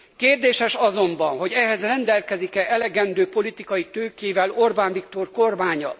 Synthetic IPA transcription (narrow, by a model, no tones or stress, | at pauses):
keːrd̪eːʃɛʃɒzo̞mbɒnɦo̞ɟɛɦɛzrɛnd̪ɛlkɛzikɛʔɛlɛɡɛnd̪øːpo̞lit̪ikɒjit̪øːkeːvɛlo̞rbaːnvik̚t̪o̞rkorbaːɲɒ